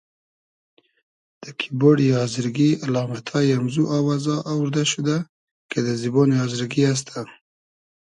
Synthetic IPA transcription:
d̪̥əkʰiboɽjɑzɪɾɡialɑmat̪ʰɑjamzuʔɑwɑzɑʔːwɾd̪aʃud̪a | ked̪əzibonɑzɪɾɡias̬t̪ʰa

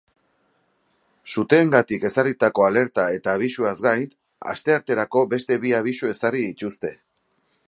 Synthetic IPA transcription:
sut̪e̞ːŋɡat̪ike̞sarit̪ako̞ale̞ɾt̪ae̞t̪aːβ̞isuazɡaj | a̰st̪e̞aɾt̪e̞ɾako̞be̞st̪e̞βiaβ̞isue̞sariit̪ust̪e̞

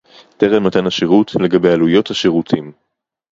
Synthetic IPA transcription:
teʁenmat̪anhaʃeʁutle̞ɡabejalujo̞thaʃeʁutʰim

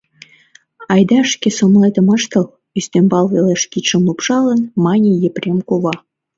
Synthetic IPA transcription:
ɑjd̪ɑʃkesomlet̪ə̆mɑʃt̪ɤ̆l | yst̪embɑlˠβeleʃkiʃə̆mlupʃɑlənmɑnʲejeprʲemkoβɑ

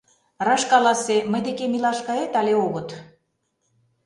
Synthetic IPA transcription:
rɑʃkɑlɑseməjd̪ekemilɑʃkɑet̪ɑlʲeoɣɤ̆t̪

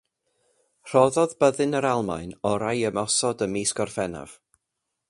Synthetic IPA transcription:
r̥ɔðɔðbəðɨnəɾalˠma̰jnɔɾajəmɔsɔdəmiːskɔrfɛna̰v̥

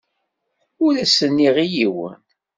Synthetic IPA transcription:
ʊɾæsənːiʁijiwə̰n

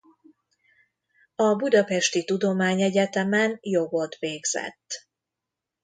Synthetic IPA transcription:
ɒbud̪ɒpɛʃt̪it̪ud̪o̞maːɲɛɟɛt̪ɛmɛnjo̞ɡo̞t̪ʋeːɡz̥ɛ̰t̪ː

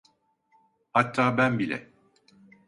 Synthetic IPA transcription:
hat̪ʰːaːbænbilʲɛ̰

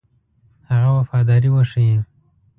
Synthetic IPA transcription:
haɣawafɑd̪ɑɾiwaʂije

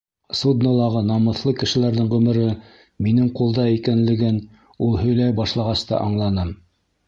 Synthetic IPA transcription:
sud̪nŏlˠɑʁɤnɑmɤ̆θlˠɤkɘ̆ʃɘ̆læɾðɘŋʁɵ̆mɘ̆ɾɘ | minɘŋqulˠd̪ɑikænlɘ̆ɡɘn | ulˠhɵ̆jlæjbɑʃlˠɑʁɑst̪ɑ̰ʔɑɴlˠɑnɤm

